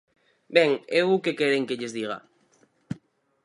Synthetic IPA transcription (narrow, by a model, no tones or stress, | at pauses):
bɛŋewukekeɾeŋkeʎezðiɣ̞a̰